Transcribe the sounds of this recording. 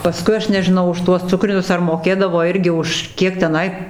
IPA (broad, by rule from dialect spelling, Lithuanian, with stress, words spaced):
pɐˈskʊɪ ˈɐʃ nʲɛʒʲɪˈnɐʊ ʊʃ ˈtuɔs ˈt͡sʊkrʲɪnʲʊs ɐr moːˈkʲeːdɐʋoː ˈɪrʲɡʲɪ ʊʃ ˈkʲiɛk tʲɛˈnɐɪ